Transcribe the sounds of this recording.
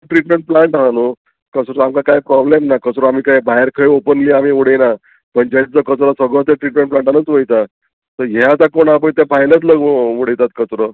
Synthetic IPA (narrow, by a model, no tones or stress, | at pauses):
ʈɾiʈmẽɳʈ̚plãɳʈaɦano | kəsɾəamkakajpɾɔblemnakət͡sɾəamiːkajbaɦeɾkʰəjopənliːamiːʋoɽena | pəɳd͡ʑat͡səkət͡sɾɔsəɡɭɔt̪jaʈɾiʈmẽɳʈplãɳʈanət͡sʋəjt̪a | t̪əɾɦeat̪akoɳap̬əjt̪apajnət̪̬ləɡʋʋoɽejt̪at̪̚kət͡sɾə